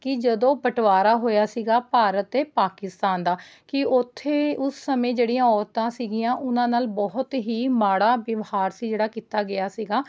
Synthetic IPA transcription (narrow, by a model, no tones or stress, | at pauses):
kɪd͡ʒəd̪õːpəʈʋaːɾaːɦoːjaːsiːɡaːpaːɾət̪eːpaːkɪst̪aːnd̪aːkɪʊt̪ʰːeːʊsːəmẽːd͡ʒeːɽijãːɔːɾt̪ãːsiːɡɪjãːʔʊnãːnaːlbɔɦʊt̪ɦiːmaːɽaːʋəʋhaːɾsiːd͡ʒeːɽaːkiːt̪aːɡɪjaːsiːɡaː